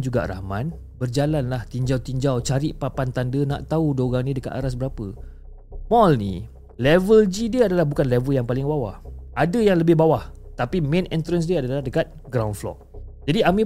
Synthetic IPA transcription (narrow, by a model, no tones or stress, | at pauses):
d͡ʒuɡa̰ʔɾa̰man | bərd͡ʒalanlaht̪iɲd͡ʒawt̪iɲd͡ʒawt͡ʃaɾɪʔpapant̪andəna̰ʔt̪audoɣaŋnĩdəka̰t̪a̰ɾas̬bəɾapə | mɔlnḭ | lɛvəld͡ʒidiəadalahbukanlɛvəljaŋpalɪŋbawa̰hʔadəjaŋləbɪhbawaht̪apimẽnɛnt̪ɾəns̬diəadalahdəkat̪̚ɡɾawnflɔ̰ʔ̚d͡ʒadiamĩ